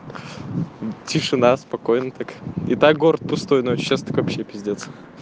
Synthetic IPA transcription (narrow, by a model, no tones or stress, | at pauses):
tʲɪʂɨnaspɐko̞jnət̪akɪ̰t̪ak̚ɡo̞ɾət̪̚pʊst̪ojnot͡ɕɕast̪o̥kvɐpɕːepʲɪzʲdʲet̪sə̥